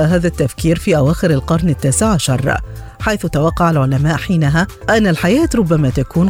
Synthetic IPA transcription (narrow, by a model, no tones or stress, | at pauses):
ɦaːðat̪ːafkiːɾfiːʔawaːxɪɾalqɑɾˤnɪt̪ːaːsɪʕaʃɑ̰ɾˤ | ħajθʊt̪awɑqːɑʕalʕʊlamaːʔħiːnaɦa | ʔanːalħajaːt̪ɾˤʊbːamaːt̪akuːn